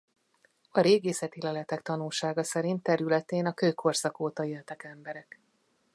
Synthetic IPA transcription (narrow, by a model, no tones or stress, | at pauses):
ɒɾeːɡeːsɛt̪ilɛlɛt̪ɛkt̪ɒnulʃaːɡɒsɛɾint̪ːɛɾylɛt̪eːnɒkøːkʰo̞rsɒkoːt̪ɒeːlt̪ɛkɛmbɛɾɛk